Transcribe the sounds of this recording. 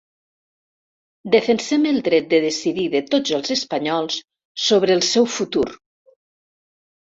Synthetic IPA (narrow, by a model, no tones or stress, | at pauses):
d̪əfənsɛməlˠd̪ɾɛt̪̚d̪əðesiðiðət̪od͡zəlˠzəspɐɲɔlˠsː | oβɾəːlˠsɛwfut̪uɾ